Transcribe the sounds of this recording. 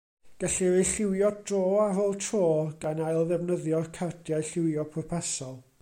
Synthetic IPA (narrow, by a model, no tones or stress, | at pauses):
ɡ̥ɛɬivejɬɪwjɔdroːaroːlˠtʰroːɡ̥anajlˠðɛvnəðjɔkʰardʰjajɬɪwjɔpʰrɔpʰasɔlˠ